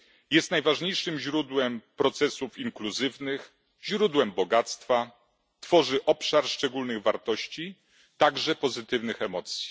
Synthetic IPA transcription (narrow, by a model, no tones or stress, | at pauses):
jɛst̪najvaʐɲejʂɘmʑɾud̪wɛmpɾɔt̪sɛsufiŋkluzɘvnɘx | ʑɾud̪wɛmbɔɡat̪st̪fa | t̪fɔʐɘʔɔpʂaɾʂt͡ʂɛɡulnɘɣvaɾt̪ɔɕt͡ɕi | t̪aɡʐɛpɔzɘt̪ɘvnɘxɛmɔt̪sʲji̥